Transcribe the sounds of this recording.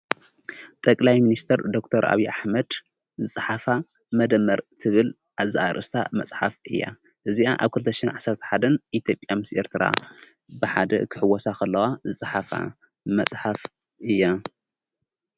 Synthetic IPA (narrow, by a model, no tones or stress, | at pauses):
t̪ʼɐkʼlajminist̪ʰɐɾd̪o̞k̚t̪ʰɐɾʔa̰βiʔaħmɐd̪ | zɨsʼɨħafa | mɐd̪ɐmːɐɾt̪ʰɨβɨl | ʔazʔaɾʔɨst̪ʰa̰mɐt͡sʼħafʔɨjːa̰ | ʔɨziʔaʔa̰βkʰɨlt̪ʰɐʃɪnʕasɐɾt̪ʰɐ̥ħad̪ɐnʔit̪ʰjo̞pʼjamɨsʔe̞̰ɾt̪ʰɨɾa̰ | bɨħad̪ɐ̰kʰɨħɨwɐsakʰɐlːɐwazɨsʼɨħafa̰ | mɐsʼħaf | ʔɨjːa